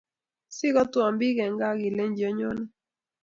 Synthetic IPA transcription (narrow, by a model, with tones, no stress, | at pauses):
sɪ˦ɡɔ˦twɔ˨mbi˦ɡɛ˨ŋɡa˦ɡɪ˨le˦ɲd͡ʒɔ˦ɲo˦ni˦